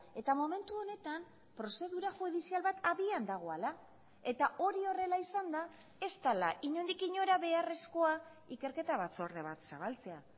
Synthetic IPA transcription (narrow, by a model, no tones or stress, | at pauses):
e̞t̪amome̞nt̪uo̞ne̞t̪am | pɾo̞se̞ðuɾaxuðisialβat̪aβiand̪aɣ̞o̞ala | e̞t̪aʔo̞ɾio̞re̞laisand̪a | e̞st̪alaʔiɲo̞nd̪ikiɲo̞ɾaβe̞are̞sko̞a | ike̞ɾke̞t̪aβ̞at͡so̞ɾðe̞βat̪saβ̞alt͡se̞a